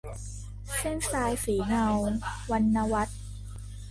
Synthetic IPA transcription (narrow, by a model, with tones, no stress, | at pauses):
se˥˩nsaː˧jsiː˩˦ŋa˧wwa˧nːa˧wa˦˥t̪̚